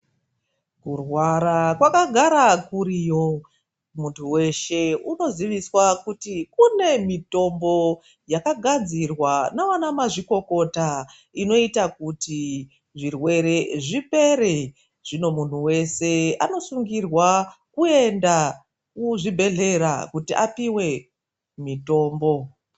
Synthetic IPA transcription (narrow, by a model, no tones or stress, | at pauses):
kurwaɾakwakaɡʱaɾakuɾijo̞ | muntʰuwe̞ʃe̞uno̞ziʋiswakutikune̞mito̞mbo̞ | jakaɡʱad͡zirwanawanamaʐiko̞ko̞ta | ino̞itakuti | ʐirwe̞ɾe̞ʐipe̞ɾe | ʐ̥ino̞mun̤uwe̞se̞ano̞suŋɡirwakue̞nda | kuʐibʱe̞ɮe̞ɾa̰kutiʔa̰piwe̞ | mito̞ːmbo̞